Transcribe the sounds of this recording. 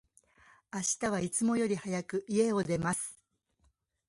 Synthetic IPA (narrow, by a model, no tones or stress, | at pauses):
aɕi̥t̪aβ̞ait͡sɨmo̞jo̞ɾʲihajakɯ̟ʔie̞o̞d̪e̞masɨ̥